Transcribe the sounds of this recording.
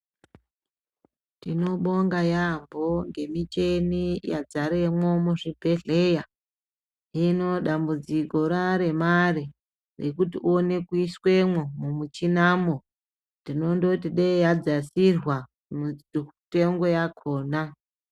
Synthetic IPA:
tino̞ɓo̞ŋɡajambo̞ŋɡe̞mit͡ʃe̞nija̰d͡zaɾe̞mwo̞muʐibʱe̞ɮe̞ja | ɦino̞ɗambud͡ziko̞ɾaɾe̞mari | rḛkutiʔuone̞kuiswe̞mwomumut͡ʃinamo̞ | ndino̞ndo̞tiɗejad͡zasirwa | mute̞ŋɡo̞jakʰo̞ːna

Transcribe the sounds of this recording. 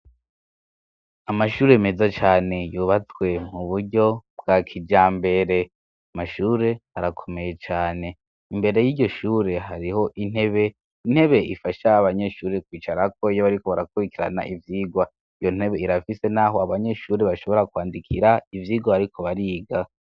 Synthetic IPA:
amaʃuːɾe̞mezat͡ʃaːne̞juːβat͡swe̞muβuɾɟo̞bɡ̥akʰid͡ʒaːmbe̞ɾe̞ | amaʃuːɾe̞haɾakʰo̞me̞je̞t͡ʃaːne̞ | imbe̞ɾe̞jiːɟo̞ʃuːɾe̞ɦaɾiho̞ʔin̥e̞βe̞ | in̥he̞βe̞ifaʃaːβaɲe̞ʃuːɾe̞kwiːt͡ʃaɾakʰo̞ijoβaɾikoβaɾakuβikiɾa̰na̰ʔivjiːɡwa | ijo̞n̥he̞βe̞iɾafise̞naɦo̞aβaɲe̞ʃuːɾe̞βaʃo̞βo̞ɾakwaːndikʰiɾaivjiːɡwaaɾikʰo̞βaɾiːɡa

